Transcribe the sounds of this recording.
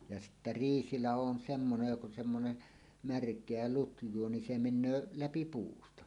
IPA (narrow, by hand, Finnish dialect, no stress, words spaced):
jɑ sitːæ riːsilɑho on semːonej jok on semːone mærkˑeæ lutjˑuo ni se menˑøː læpi puːstɑ